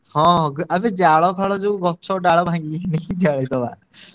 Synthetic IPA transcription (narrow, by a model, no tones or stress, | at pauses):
hɔ̃ɡabɛd͡ʒaɭɔpʰaɭɔd͡ʒuɡɔt͡ʃʰɔɖaɭɔbʱaŋɡiniit̪ʰiaɭɛt̪ɔba̰